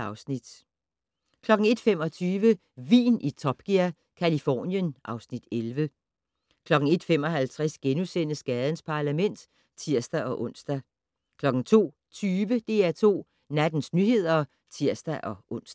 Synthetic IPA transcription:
ɑ̈ʊsnid̥ | kʰlɒ̽ɡ̥ŋ̩e̝d̥fem̰ɒ̽t͡sʰyːʋə | ʋḭːnʔit͡sʰɒ̽b̥ɡ̥iɐ̰ | kʰælifɒ̰ːnjənʔɑ̈ʊsnid̥elʋə | kʰlɒ̽ɡ̥ŋ̩e̝d̥fem̰ɒ̽ɦælt͡sʰʁasɡ̥enusen̰əsɡ̥ɛːð̞̩ˠən̩spʰɑ̈ːlæmen̰d̥ | t͡sʰiɐsd̥æʔɒ̽ʔɔ̽n̰sd̥æ | kʰlɒ̽ɡ̥ŋ̩t͡sʰo̝̰ː | t͡sʰyːʋəd̥e̝ːæt͡sʰo̝̰ː | næd̥n̩snyhe̝ð̞̰ˠɐ | t͡sʰiɐ̰sd̥æʔɒ̽ʔɔ̽n̰sd̥

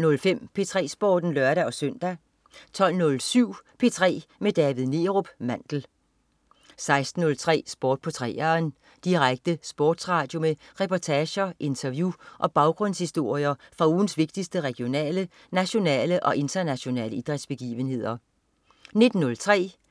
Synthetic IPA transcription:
nɔ̽lfem̰pʰe̝t͡sʰʁɛ̰ːsb̥ɔːd̥n̩lɶɐɾæɒ̽søn̰d̥æ | t͡sʰɒ̽l̰nɔ̽lsyʊ̰pʰe̝ːt͡sʰʁɛ̰ːmed̥ɛːʋiðˠne̝ːʁob̥mæn̰d̥l̩ | sɑ̈ɪsd̥n̩ːɔ̽lt͡sʰʁɛ̰ːsb̥ɒ̰ːd̥̚pʰɒ̽t͡sʰʁɛ̰ːɐe̝n | d̥iʁaɡ̥̚d̥əsb̥ɒ̰ːd̥sʁɑ̈ːd̥jo̝meʁɛpʰɒt͡sʰɛːɕɐʔe̝nt͡sʰɐʋjuʔɒ̽b̥ɑ̈ʊɡ̥ʁɔ̽n̰shisd̥o̝ɐ̰iɐfʁɑ̈uːn̩sʋe̝ɡ̥d̥isd̥əʁɛɡ̥ijo̝nɛ̰ːlə | næɕo̝nɛ̰ːləʔɒ̽ʔe̝nt͡sʰɐnæɕo̝nɛ̰ːləid̥ʁɛd̥sb̥e̝ɡ̥ḭːʋənhe̝ð̞̰ˠɐ | ne̝d̥n̩ːɔ̽lt͡sʰʁɛ̰ː

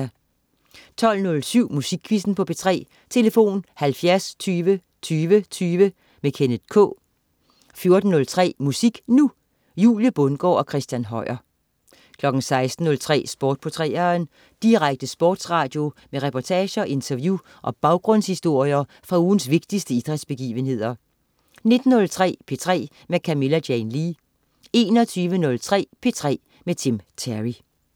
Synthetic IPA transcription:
t͡sʰɒ̽l̰nɔ̽lsyʊ̰musiɡ̥ʰʋisn̩pʰɒ̽b̥e̝t͡sʰʁɛ̰ː | t͡sʰe̝ləfo̝̰ːnhælfjæɐst͡sʰyːʋə | t͡sʰyːʋət͡sʰyːʋə | mekʰenəð̥ˠkʰɔ̰ː | fjo̝ɐd̥n̩ːɔ̽lt͡sʰʁɛ̰ːmusiɡ̥nu | jṵːljəb̥ɔnɡ̥ɒ̰ɒ̽kʰʁɛsd̥jænɦɒ̽ɪ̰ɐ | kʰlɒ̽ɡ̥n̩sɑ̈ɪsd̥n̩ːɔ̽lt͡sʰʁɛ̰ːsb̥ɒːd̥̚pʰot͡sʰʁɛ̰ːɐn | d̥iʁaɡ̥̚d̥əsb̥ɔːd̥sʁɑ̈ːd̥jo̝meʁɛpʰɒt͡sʰɛːɕɐʔe̝nt͡sʰɐʋju | ʔɒ̽b̥ɑ̈ʊɡ̥ʁɔ̽n̰shisd̥o̝ɐ̰ijɐ | fʁɑ̈uːn̩sʋe̝ɡ̥̚d̥isd̥əid̥ʁɛd̥sb̥e̝ɡ̥ḭːʋənɦe̝ð̞̰ˠɐ | ne̝d̥n̩ːɔ̽lt͡sʰʁɛ̰ːpʰe̝t͡sʰʁɛ̰ː | mekʰæme̝læd̥jenliː | e̝ːnɒt͡sʰyːʋənɔ̽lt͡sʰʁɛ̰ːpʰe̝t͡sʰʁɛ̰ː | met͡sʰemt͡sʰæʁi

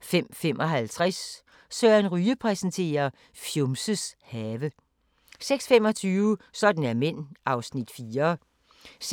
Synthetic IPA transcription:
fem̰femʔɒ̽ɦælt͡sʰʁas | sœɐnʁyːəpʰʁɛsənt͡sʰe̝̰ːɐ | fjomsəshɛːʋə | seɡ̥sfem̰ɒ̽t͡sʰyːʋəsɒ̽d̥n̩æɐmen̰ʔɑ̈ʊsnid̥fiːɐ | s

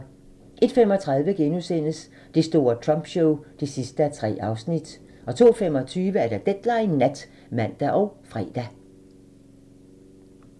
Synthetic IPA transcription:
ʔe̝d̥femɒ̽t͡sʰʁɑ̈ð̞ˠʋəɡ̥enusen̰əs | d̥e̝sd̥o̝ːɐt͡sʰʁɒ̽mb̥ɕɔʊd̥esisd̥əæt͡sʰʁɛ̰ːɑ̈ʊsnid̥ | ɒ̽t͡sʰo̝̰ːfem̰ɒ̽t͡sʰyːʋəæɐɾ̥ɑ̈d̥ed̥lɑ̈ɪnæd̥ | mæn̰d̥æʔɒʊfʁɛ̰ːd̥æ

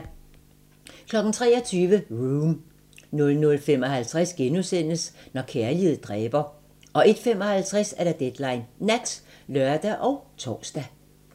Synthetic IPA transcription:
kʰlɒ̽ɡ̥n̩t͡sʰʁɛ̰ːɒt͡sʰyːʋəʁuːm | nɔ̽lnɔ̽lfemɒ̽ɦælt͡sʰʁasɡ̥enusen̰əsnɒkʰeɐlið̩ˠd̥ʁɛːb̥ɐ | ʔɒ̽e̝d̥femɒ̽hælt͡sʰʁasæɐd̥ɑ̈d̥ed̥lɑ̈ɪnːæd̥slɶɐd̥æʔɒʊt͡sʰɒ̰ːsd̥æ

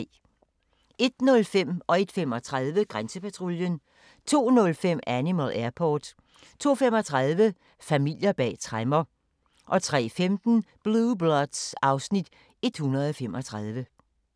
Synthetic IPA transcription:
e̝d̥nɔ̽lfem̰ɒ̽e̝d̥fem̰ɒ̽t͡sʰʁaðˠʋəɡ̥ʁansəpʰæt͡sʰʁoljən | t͡sʰo̝̰ːnɔ̽lfem̰ænimælæɐpʰɒːd̥ | t͡sʰo̝̰ːfemɒt͡sʰʁaðˠʋə | fæmil̰jɐb̥ɛ̰ːt͡sʰʁamɐ | ʔɒ̽t͡sʰʁɛ̰ːfemd̥n̩b̥lublɒd̥sɑ̈ʊsnid̥ | e̝d̥hunʁɐð̞̩ˠɒfemɒ̽t͡sʰʁɑð̞ˠʋə

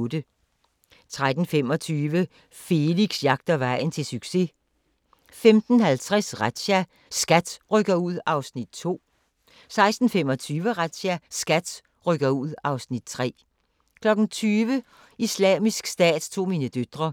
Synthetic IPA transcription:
d̥ə | t͡sʰʁad̥n̩fem̰ɒ̽t͡sʰyːʋə | fe̝liɡ̥sjɑ̈ɡ̥̚d̥ɐʋɑ̈ɪ̰n̩t͡sʰe̝lsyɡ̥se̝ | femd̥n̩hælt͡sʰʁasʁad̥ɕæ | sɡ̥æd̥ʁœɡ̥ɐuð̰ˠɑ̈ʊsnid̥̚t͡sʰo̝̰ː | sɑ̈ɪsd̥n̩fem̰ɒt͡sʰyːʋəʁad̥ɕæsɡ̥æd̥ | ʁœɡ̥ɐuð̞̰ˠɑ̈ʊsnid̥̚t͡sʰʁɛ̰ː | kʰlɒ̽ɡ̥n̩t͡sʰyːʋə | islɛ̰ːmisɡ̥sd̥ɛ̰ːd̥t͡sʰo̝̰ːmiːnəd̥ød̥ʁɐ

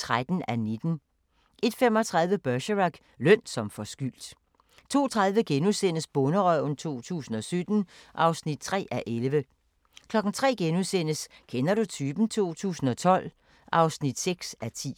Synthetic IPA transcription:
ʁad̥n̩æned̥n̩ | e̝d̥fem̰ɒ̽t͡sʰʁäð̞ˠʋəb̥œɕəʁɑɡ̥ | lœn̰̥sɒ̽mfɒ̽sɡ̥yl̰d̥ | t͡sʰo̝̰ːt͡sʰʁäð̞ˠʋəɡ̥enusen̰əsb̥ɔ̽nəʁœʊ̰n̩t͡sʰo̝̰ːt͡sʰṵːsn̩ɒ̽sød̥n̩ʔɑ̈ʊsnid̥̚t͡sʰʁɛ̰ːæʔelʋə | kʰlɒ̽ɡ̥n̩t͡sʰʁɛ̰ːɡ̥enusen̰əskʰenɐɾ̥ut͡sʰyːb̥n̩t͡sʰo̝̰ːt͡sʰṵːsn̩ɒ̽t͡sʰɒ̽l̰ | ʔɑ̈ʊsnid̥seɡ̥sæt͡sʰḭː

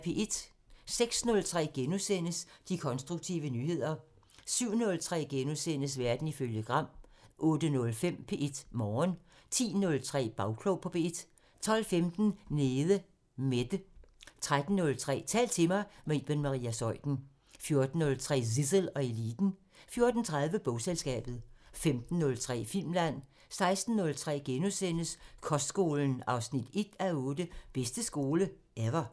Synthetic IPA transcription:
pʰe̝ːʔe̝d̥ | seɡ̥snɔ̽lt͡sʰʁɛ̰ːɡ̥enusen̰əsd̥ikʰɒ̽nsd̥ʁuɡ̥̚t͡sʰḭʊʋənyːhe̝ð̞̰ˠɐ | syʊ̰nɔ̽lt͡sʰʁɛ̰ːɡ̥enosen̰əs̬ʋæɐd̥n̩iføljəɡ̥ʁɑ̈m̰ʔɔ̽ːd̥ənɔ̽lfem̰pʰe̝̰ːʔe̝d̥mɒːn | t͡sʰḭːnɔ̽lt͡sʰʁɛ̰ːb̥ɑ̈ʊkʰloʊpʰɒ̽pʰe̝ed̥ | t͡sʰɒ̽l̰femd̥n̩neːðˠə | med̥ət͡sʰʁad̥n̩ːɔ̽lt͡sʰʁɛ̰ːt͡sʰɛ̰ːl̚t͡sʰe̝mɑ̈ɪmeb̥enmɑ̈ʁḭːæsɒ̽ɪ̰d̥n̩ | fjo̝ɐd̥n̩ːɔ̽lt͡sʰʁɛ̰ːs̬isəlɒ̽elḭːd̥n̩ | fjo̝ɐd̥n̩t͡sʰʁäð̞ˠʋəb̥ɔ̽ʊselsɡ̥ɛ̰ːb̥ð̞̩ˠfemd̥n̩ːɔ̽lt͡sʰʁɛ̰ːfil̰mlæn̰ | sɑ̈ɪsd̥n̩ːɔ̽lt͡sʰʁɛ̰ːɡ̥enusen̰əskʰɒ̽sd̥sɡ̥o̝ːln̩ɑ̈ʊsnid̥e̝d̥æɔ̽ːd̥əb̥esd̥əsɡ̥o̝ːlə | eʋɐ

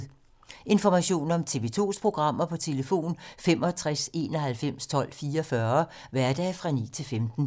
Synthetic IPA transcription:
e̝nfɒmæɕo̝̰ːnɒ̽mt͡sʰe̝ʋe̝t͡sʰo̝̰ːspʰʁo̝ɡ̥ʁɑ̈m̰ɐpʰɒ̽t͡sʰe̝ləfo̝̰ːnfem̰ɒ̽t͡sʰʁase̝̰ːnɒ̽ɦælfem̰st͡sʰɒ̽l̰fiːɐɒfɶɐ | ʋæɐd̥ɛːfʁɑ̈nḭːt͡sʰe̝lfemd̥n̩

